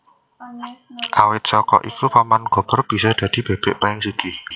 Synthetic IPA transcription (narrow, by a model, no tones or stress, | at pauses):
ʔawɪt̪̚sɔkɔ̰ʔikupamanɡ̥ɔ̤b̥ɔ̤rb̥i̤sɔd̪̥ä̤d̪̥i̤b̥e̤b̥ɛ̤ʔpaɪŋsiɡ̥i